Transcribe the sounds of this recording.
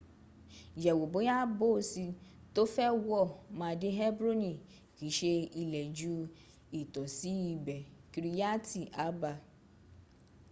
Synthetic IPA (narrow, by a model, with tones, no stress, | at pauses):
d͡ʒɛ˨wo˨bo˨˦ja˦bo˦˨˦si˧ | to˦fɛ˦wɔ˦˨mã˧˦de˦ɦɛ˦bɾo˦ni˨ | ki˨˦ʃe˧i˧lɛ˨d͡ʒu˦ | i˨tɔ˨si˨˦i˧˨bɛ˨ki˨˧ɾi˦˧ja˦ti˨ʔa˨˦ba˧